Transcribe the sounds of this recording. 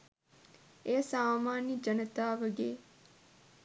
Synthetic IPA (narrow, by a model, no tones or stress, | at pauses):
eːsaːmaːnid͡ʒənət̪aːʋəɡeː